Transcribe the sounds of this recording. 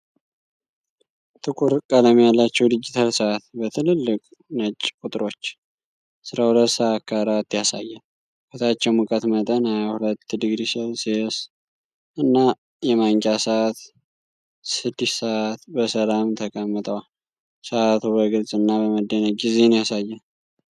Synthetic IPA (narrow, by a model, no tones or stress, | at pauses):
t̪ʰɨkʰʼuɾkʼələmjalːat͡ʃːɛwd̪ɨd͡ʒit̪ʰalsəʔat̪bət̪ʰɨlɨlːɨkʼ | nət͡ʃʼːkʼut̪ʼɾo̞t͡ʃː | sɨɾahulət̪ːsəat̪kʰaɾat̪ːjasa̰jːal | kət̪ʰat͡ʃːɛwmukʼət̪mət̪ʼənhajahulət̪ːd̪ɨɡɾisəlses | ʔɨnːa | jɛmaŋkʼasəʔat̪ | sɨd̪ːisəʔat̪bəsəlamt̪ʰəkʼəmːɨt̪ʼəwal | səʔat̪ʰubəɡɨlzʼɨnːaβəməd̪ːənəɡize̞njasajːan